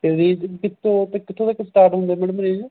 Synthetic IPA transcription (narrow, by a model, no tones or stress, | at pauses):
t̪ediːkɪt̪ʰːõt̪ekɪt̪ʰːõːd̪eːkesʈaːɾʈɦʊ̃nd̪eːmɛːɽəmneːd͡ʒ